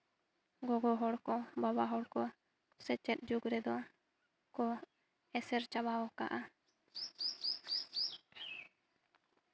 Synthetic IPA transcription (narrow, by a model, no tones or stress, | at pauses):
ɡɔɡɔɦɔɽkɔbabaɦɔɽkɔ | sɛt͡ʃɛt̪̚ˀd͡ʒuɡɾɛd̪ɔ | kɔ | ɛsɛɾt͡ʃabaɔka̰ʔa